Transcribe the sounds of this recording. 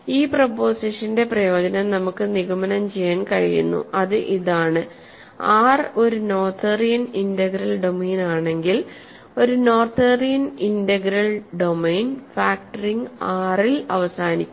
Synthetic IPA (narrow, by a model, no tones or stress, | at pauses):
iːpropːo̞ːsiʂɐnde̞prɐjo̞ːd͡ʑɐnɐmnɐmukːɨniɣɐmɐnɐmt͡ɕe̞jːaːnkɐɻḭjṵnːṵʔɐðɨʔiðaːɳɨ | aːro̞ɾuno̞ːrt̪ʰeːrijɐnindɐɡɾɐlɖo̞meːnaːɳe̞ŋɡil | o̞ɾuno̞ːrt̪ʰeːrijɐnindɐɡɾɐlɖo̞mejnfaːkʈɐriŋɡaːrilɐʋɐsaːnikʲːu